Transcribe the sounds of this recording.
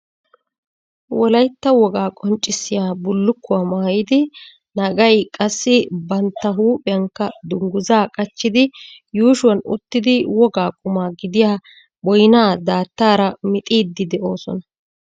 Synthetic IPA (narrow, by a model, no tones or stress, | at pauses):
wɔlɐjt̪ːɐwɔɡaːkʼɔnt͡ʃʼːɪsːɪjaːbʊlːʊkːʊwaːmaːjɪd̪ɪ | nɐɡɐjkʼɐsːɪbɐnt̪ːɐɦuːpʼɛjɐŋkːɐd̪ʊŋɡʊzaːkʼɐt͡ʃːɪd̪ɪjuːʃʊwɐnʊ̰t̪ːɪd̪ɪwɔɡaːkʼʊmaːɡɪd̪ɪjaː | bɔjnaːd̪aːt̪ːaːɾɐmɪt̪ʼiːd̪ːɪd̪ɛʔo̞ːsɔ̰nɐ